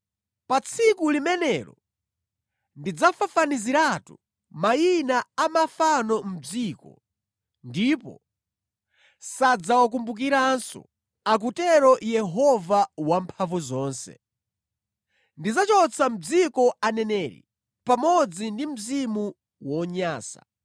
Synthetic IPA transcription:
pat͡sʰikulimɛnɛːɾɔ | ndid͡zafafaniziɾatu | majinaamafanɔm̩d͡ziːkɔ̰ | ndiːpɔ̰ | sad͡zawak̬umbuk̬iɾansɔ̰ | ak̬utɛɾɔjɛɦɔvawampʰavuzɔːnsɛ̰ | ndid͡zat͡ʃɔt͡sʰam̩d͡zikɔanɛnɛɾḭ | pamɔd͡zindim̩zimu | wɔɲaːsa̰

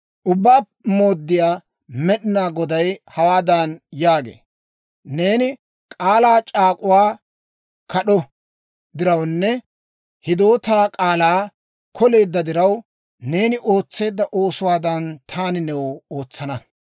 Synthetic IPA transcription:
ʔʊbːaːpmo̞ːd̪ːɪjaː | mɛɗɪnaːɡɔd̪ɐjhɐwaːd̪ɐnjaːɡḛː | ne̞ːnɪ | kʼaːlaːt͡ʃʼaːkʼʊwaː | kɐɗɔ | d̪ɪɾɐwnːɛ | hɪd̪o̞ːt̪aːkʼaːlaː | kʰɔle̞ːd̪ːɐd̪ɪɾɐw | ne̞ːnɪʔo̞ːt͡sːe̞ːd̪ːɐʔo̞ːsʊwaːd̪ɐnt̪ʰaːnɪnɛwoːt͡sːɐnɐ

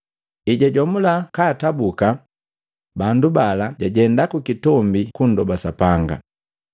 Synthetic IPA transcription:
iɟaɟɔmulakaːtabuka | bandubalaɟaɟɛndakukitɔmbikundɔbasapaŋɡa̰

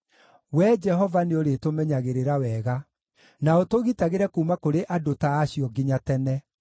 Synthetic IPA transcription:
wɛd͡ʒɛɦɔvaneoɾetomɛɲaɣeɾeɾawɛɣa | naotoɣitaɣeɾɛkuːmakoɾeʔadotaːɕiɔɡiɲatɛnɛ

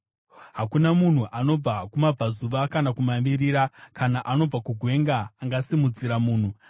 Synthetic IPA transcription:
ɦakunamun̤uʔano̞b͡vakumab͡vazuʋakanakumaʋiɾiɾakanaʔano̞b͡vakuɡʱwe̞ŋɡaːŋɡasimud͡ziɾamuːn̤u

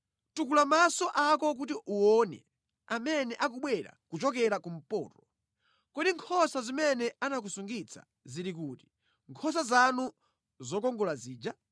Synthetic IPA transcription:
tukulamasɔʔakɔk̬ut̬iʔuɔnɛ̰ | amɛnɛʔak̬uɓwɛɾa̰kut͡ʃɔk̬ɛɾakum̩pɔ̰ːtɔ | kɔɗiŋkʰɔsazimɛnɛanak̬usuŋɡit͡sʰḁ̰ | ziɾik̬uti̥ | ŋkʰɔs̬azanu | zɔkɔŋɡɔlaziːd͡ʒa

